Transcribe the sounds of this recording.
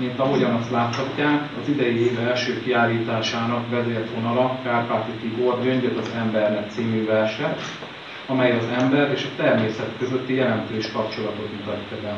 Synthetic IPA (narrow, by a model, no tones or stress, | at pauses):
mint̪ɒɦo̞ɟɒnɒst̪laːt̪hɒcːaːkɒzid̪ɛjieːvɛlʃøːkiaːlːiːt̪aːʃaːnɒkvɛzeːrt̪o̞nɒlɒkaːrpaːt̪it̪iɡord̪ɟø̞ɲɟøt̪ɒzɛmbɛrnɛk̚t̪siːmyvɛrʃɛt̪ | ɒmɛjɒzɛmbɛɾeːʃɒt̪ɛrmeːsɛt̪kø̞zø̞t̪ːijɛlɛnt̪øːʃkɒpt͡ʃo̞lɒt̪o̞t̪mut̪ɒcːɒb̪ɛ